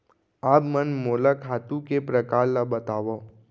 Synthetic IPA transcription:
aːpmənmoːlakʰaːt̪ũkepɾɐkaːɾlabɐt̪aːʋo

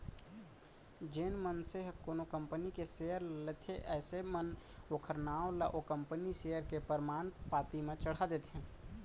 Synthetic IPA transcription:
d͡ʒeːnmənseɦkoːnokəmpənikesejəɾlet̪ʰeʔɛːsemənoːkʰəɾnaːolaʔokəmpənisejəɾkepəɾmaːnpaːt̪imẽt͡ʃəɽ̤ad̪et̪ẽ

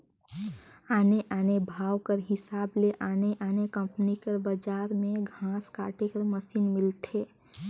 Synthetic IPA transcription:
aneʔanebʱawkəɾɦɪsableʔaneʔanekəmpənikəɾbəd͡ʒaɾmeɡʱãska̰ʈekəɾməsinmilt̪ʰe

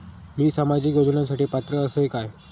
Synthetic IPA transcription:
miːsəmad͡ʑiːkɡod͡ʑunansaʈiːpat̪ɾəːsəkaj

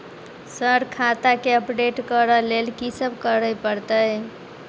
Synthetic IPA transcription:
səɾkʰat̪akeəpɖeʈkəɾəlelkisəbkəɾəjpəɾt̪əj

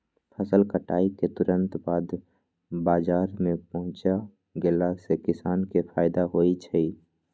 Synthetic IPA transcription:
pʰəsəlkəʈa̰ːiket̪ʊɾə̃nt̪baːd̪ | baːd͡ʒaːɾmẽpəɦʊ̃t͡ʃa | ɡelasekɪsaːnkepʰaːɪd̪aɦoːit͡ʃʰəi

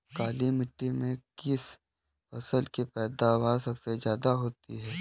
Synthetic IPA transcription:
kaːlimɪʈːimẽkɪs | fɐsəlkepɛːd̪abaːsəksezjaːd̪aɦoːt̪ḭɦɛː

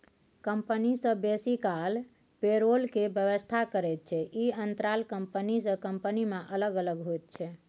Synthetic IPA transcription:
kəmpənisə̃besikal | peɾolkebjəβəst̪ʰakəɾɛt̪̚t͡ʃʰɛʔiənt̪ɾalkəmpənisə̃kəmpənimẽʔələɡələɡɦojt̪̚t͡ʃʰɛ

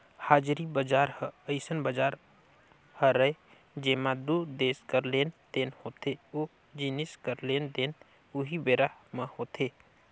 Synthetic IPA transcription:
haːd͡ʒɾibəd͡ʒaːɾhəəɪsənbəd͡ʒaːɾ | həɾəe | d͡ʒeːmad̪ud̪eːskəɾleːnd̪eːnhoːt̪ʰeo | d͡ʒɪnɪskəɾleːnd̪eːn | ʊɦibeːɾaməhoːt̪ʰeː

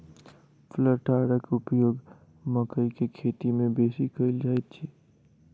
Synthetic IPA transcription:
fʰləɾʈaːɽəkʊpjoːɡ | məkəikekʰeːt̪imẽbeːsikəɪld͡ʒaːet̪t͡ʃʰiː

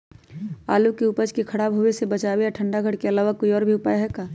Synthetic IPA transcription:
a̰ːlukeupəd͡ʒkekʰɐɽaːbɦuwesebɐt͡ʃaːwejaʈʰə̃ɳɖaɡʱɐɽkeɐlaːʋəkːoːiɔːɾbʱiʊpaːjɦɛkaː

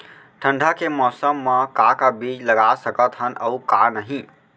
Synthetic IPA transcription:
ʈʰəɳɖʱakemɔːsəmːəkakabiːd͡ʒləɡasəkət̪ɦənəukanəɦĩ

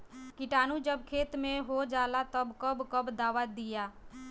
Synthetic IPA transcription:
kɪʈaːnud͡ʒəbkʰeːt̪mẽɦod͡ʒaːlat̪əbkəbkəbd̪aːʋad̪ɪjaː

